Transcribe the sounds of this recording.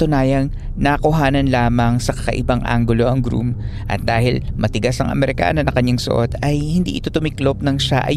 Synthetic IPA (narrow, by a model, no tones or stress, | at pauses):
t̪ʊnaːjɐŋ | nɐkʊɦaːnɐnlaːmɐŋsɐkɐkɐ̰ʔɪ̰baŋʔa̰ŋɡʊlo̞ʔɐŋɡɾṵmʔɐ̰t̪̚d̪aːhɪlmɐt̪ɪɡasɐŋʔɐ̰mɛɾɪka̰ːnonɐŋkɐɲːaŋsʊ̰ʔo̞t̪ɐjhɪnd̪ḭʔɪt̪o̞t̪ʊmɪklop̚nɐŋʃaʔɐ̰